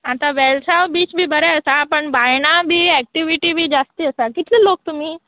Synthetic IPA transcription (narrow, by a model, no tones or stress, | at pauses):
at̪aʋɛlsaʋbiːt͡ʃbʱiːbəɾɛəsapəɳbajnabʱiːɛk̚ʈiʋiʈibʱiːd͡zast̪iəsakit̪leloːk̚t̪umiː